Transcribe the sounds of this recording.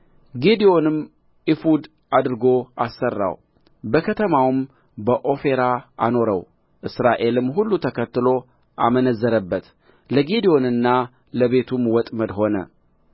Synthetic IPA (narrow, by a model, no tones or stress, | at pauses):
ɡed̪io̞nɨm | ʔifud̪ | ad̪ɨɾɨɡo̞asːərːa̰w | bəkʰət̪ʰəmawɨm | bəʔo̞fe̞ɾaa̰no̞ɾə̰w | ʔɨsɾaʔe̞lɨmɦulːut̪ʰəkʰət̪ːɨlo̞ | ʔamənəzːəɾəbːət̪ | ləɡed̪ijo̞nɨnːa | ləβe̞t̪ʰumwɔt̪ʼməd̪ho̞nə̰